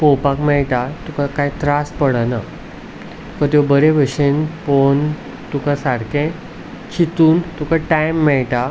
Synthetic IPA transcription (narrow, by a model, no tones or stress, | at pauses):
powpãkmɛɭʈat̪ukakajt̪ɾaspəɽana | t̪u̥kat̪̬jobəɾeʋəɕenpon | t̪ukasaɽkẽ | t͡ɕʰit̪uːnt̪ukaʈajmːɛɭʈa